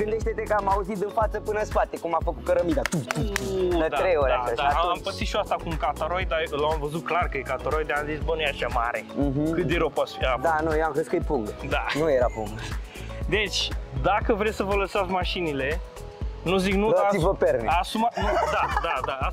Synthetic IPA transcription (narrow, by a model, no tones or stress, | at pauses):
ɡɨnd̪eʃt̪et̪ekəamauzit̪ɨnfat̪səpɨnəspat̪ekumafəkut̪̚kəɾəmid̪at̪ut̪ut̪uləd̪aɾejoɾaad̪aampəsit̪ʃuast̪akumkat̪aɾojd̪alamvəzut̪̚klarkəjekat̪aɾojd̪aamzisbənujaʃamaɾem̩ɦ̩kɨt̪̚d̪eɾopot̪sfiad̪anujoamkəskəjpuŋɡt̪d̪anujeɾapṵŋɡ | d̪e̞t͡ʃʲd̪akəvɾesʲsəvələsat̪sʲmaʃinile̞ | nuziknusivəpeɾneasumanud̪ad̪ad̪aa